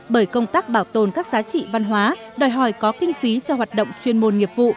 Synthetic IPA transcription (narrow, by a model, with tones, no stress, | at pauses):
ɓəː˧˩jkə˧wŋ͡mt̪aː˦˥k̚ɓaː˧˩wt̪o˨˩nkaː˦˥k̚zaː˨˦t͡ɕḭ˧˨va˧nɦwaː˨˦ | ɗɔ˨˩jɦɔ˧˩jkɔ˨˦kï˧ŋ̟fi˨˦t͡ɕɔ˧ɦwaː˨˩t̚ɗə̰˧˨wŋ͡mt͡ɕwi˧ənmo˧nŋi˨˩əp̚vṵ˧˨